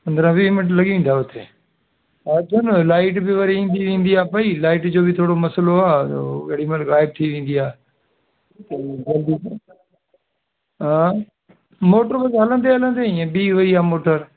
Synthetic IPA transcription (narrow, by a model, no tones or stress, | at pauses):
pɐ̃nd̪əɾə̃bimɪʈ̬lɐɠiʋẽːnd̪aːɦʊt̪ʰeː | ad͡ʒʊnlaːɪʈbɪʋɐɾiĩːnd̪iʋẽːnd̪iaːpɐilaːɪʈd͡ʑoːbɪt̪ʰoːɽomɐsəloa̰ːeɽiməlɣaːɪb̚t̪ʰiʋẽːn̆d̪iaː | t̪ɐɡɐld̪i | ɦa | moːʈəɾbɐsɦɐlə̃nd̪eɦɐlə̃nd̪eɪ̃ẽbiːʋɐiaːmoːʈəɾ